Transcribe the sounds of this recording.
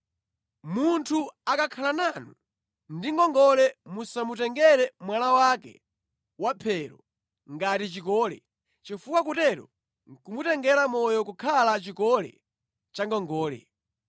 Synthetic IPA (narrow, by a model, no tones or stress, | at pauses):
muntʰuakakʰalananu | ndiŋɡɔŋɡɔlɛmusamutɛŋɡɛɾɛmwalawakɛ̰ | wapʰɛɾɔ | ŋɡatit͡ʃikɔːlɛ̰ | t͡ʃifuwak̬utɛɾɔ | ŋkumutɛŋɡɛɾamɔjɔkukʰalat͡ʃikɔlɛ̰ | t͡ʃaŋɡɔŋɡɔːlɛ̰